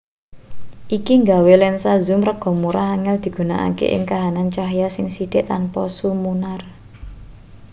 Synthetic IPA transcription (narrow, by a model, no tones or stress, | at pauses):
ʔikiŋɡawelɛnsazumrəɡ̥ɔ̤muɾaɦaŋɛld̪̥i̤ɡ̥ṳnaʔa̰kḛʔɪ̰ŋkaɦanant͡ʃaɦjasɪŋsid̪̥ɪʔt̪anpɔsumunar